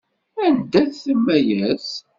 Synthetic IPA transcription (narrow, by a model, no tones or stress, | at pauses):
ænd̪æθθəmːæjæs